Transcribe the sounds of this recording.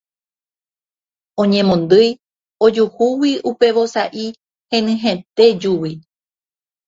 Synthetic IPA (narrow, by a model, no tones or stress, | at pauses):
õɲẽ̞mõnd̪ɨj | od͡ʒuhuwiʔupe̞ʋo̞saʔi | hẽnɨ̃ɦẽt̪e̞d͡ʒuwi